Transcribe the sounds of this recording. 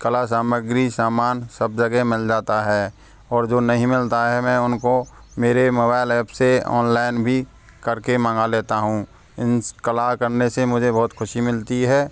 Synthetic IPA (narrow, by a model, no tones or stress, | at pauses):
kəlas̬aːməɡɾisaːmaːnsəb̚d͡ʒɐɡɛmɪld͡ʒaːt̪aɦɛː | ɔːɾd͡ʒoːnɐɦĩmɪlt̪aɦɛmɛ̃ːʊnko | meːɾemoːbaːɪlɛːpseɔ̰ːnlaːɪnbʱi | kɐɾkemãːŋɡaleːt̪aɦũː | ɪnskəlakəɾnesemʊd͡ʒʱebɔɦːʊt̪xʰʊʃimɪlt̪iɦɛː